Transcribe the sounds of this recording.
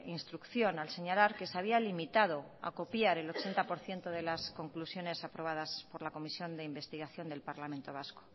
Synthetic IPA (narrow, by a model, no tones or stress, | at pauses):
inst̪ɾukθjo̞nalse̞ɲalaɾke̞seaβialimit̪að̞o̞a̰ko̞pjaɾe̞lot͡ʃe̞nt̪apo̞ɾθje̞nt̪oðe̞lasko̞ŋklusjo̞ne̞sapɾo̞β̞að̞aspo̞ɾlako̞misjo̞nd̪e̞imbe̞st̪iɣaθjo̞nd̪e̞lpaɾlamẽnt̪o̞β̞asko